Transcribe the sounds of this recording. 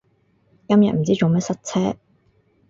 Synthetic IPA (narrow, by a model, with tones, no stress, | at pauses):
kɐ˥mjɐ˨t̚m̩˨˩t͡siː˥t͡ʃo˨wmɛ˥sɐ˥t̚t͡sʰɛː˥